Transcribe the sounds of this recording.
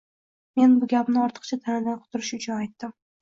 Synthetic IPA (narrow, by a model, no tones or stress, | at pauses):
me̞nbʊɡʲapnɪɒɾt̪ʰɨ̥qt͡ʃʰat̪ʰanɪd̪anqʰʊ̥t̪ʰʊɾɪʃʊt͡ʃʰʊnajt̪ːɪm